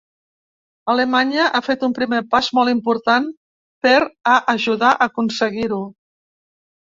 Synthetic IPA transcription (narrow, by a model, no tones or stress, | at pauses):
alemaɲəʔafet̪umpɾimepazmɔlˠimpuɾt̪an | peɾaʔəʒuðaʔəkunsəɣiɾu